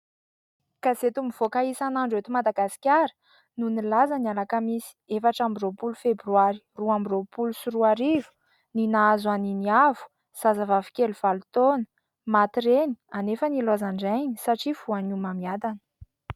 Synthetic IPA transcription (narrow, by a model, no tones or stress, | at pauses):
kazet̪umiv̥okaisanaɳɖ͡ʐet̪umad̪aɡasi̥kʲaɾə̥ | nunilazanialakəmisi̥efaʈ͡ʂambiropulufebɾywaɾi̥ruambiropulusuruaɾivu̥ | ninaazwaniniavu̥ | z̥azavavikʲeluv̥alut̪onə̥ | mat̪iɾenianefənilozaɳɖ͡ʐajnisaʈ͡ʂifuanumamiad̪anə